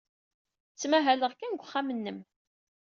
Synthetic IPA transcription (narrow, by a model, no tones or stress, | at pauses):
t͡sːmæɦæləʁkænɡʷχːamənːəm